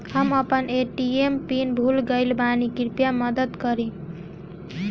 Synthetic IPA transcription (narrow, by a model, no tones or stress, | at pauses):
həməpəneʈiempinbʱulɡəɪlbanikiɾpjaməd̪əd̪kʌɾĩ